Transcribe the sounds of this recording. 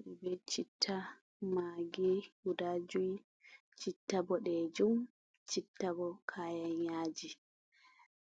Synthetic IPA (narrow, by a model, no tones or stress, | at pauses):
bɛt͡ʃitʰːa | maɡihudad͡ʒuj | t͡ʃitːabɔɗɛd͡ʒum | t͡ʃitːabɔkʰaːjanjaːd͡ʒi